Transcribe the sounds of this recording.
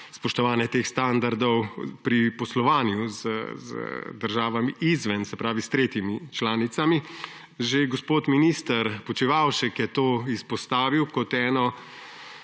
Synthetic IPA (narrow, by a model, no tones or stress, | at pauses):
spɔʃt̪ɔʋaːnjɛt̪eːxst̪and̪aɾd̪ɔwpɾipɔslɔʋaːnjuzə̰zə̰d̪əɾʒaːʋamiʔizʋɛnsɛpɾaːʋist̪ɾeːt̪jimit͡ʃlaːnit̪sami | ʒeɡospoːt̪minist̪əɾpɔt͡ʃiʋawʃɛkjɛt̪oːispɔst̪aːʋiwkɔt̪ɛːnɔ